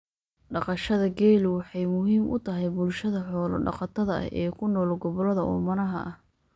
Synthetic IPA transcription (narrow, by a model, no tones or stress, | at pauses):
ɖɑqɑʃɐðɐɡɛːlʊwɑħɑjmʊɦiːmʔʊ̰t̪ʰɐɦɛjbʊlʃɐðɐħɔːlɔ̰ɖɑ̰qɑt̪ʰɐðɐɐ̰hʔɛːkʰʊnɔːlɡɔβɔlɐðɐʔɔ̰mɐnɐɦɐ̰ʔɐh